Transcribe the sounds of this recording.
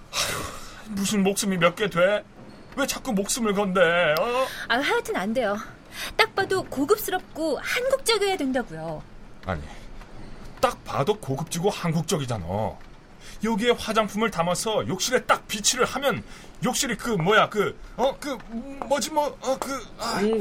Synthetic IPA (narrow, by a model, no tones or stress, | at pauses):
musʰɯnmok̚s͈ɯmimjʌt̚k͈e̞dwe̞ | we̞t͡ɕʰak͈umok̚s͈ɯmɯɭkʌnde̞ʌaɦajatʰɯnande̞jo | t͈ak̚p͈adokoɡɯp̚s͈ɯɾʌp̚k͈ohanɡuk̚t͡ɕ͈ʌɡejadwendʌɡujoa̰ɲḭ | t͈ak̚pa̰dokoɡɯp̚t͡ɕ͈iɡohanɡuk̚t͡ɕ͈ʌɡid͡ʑana̰ | jʌɡie̞ɸwad͡ʑaŋpʰumɯɭtamʌsʰʌjok̚ɕ͈iɾe̞t͈ak̚pit͡ɕʰiɾɯɭhamjʌn | jok̚ɕ͈iɾikɯmwʌjakɯʌkɯmʌd͡ʑimʌʌkɯa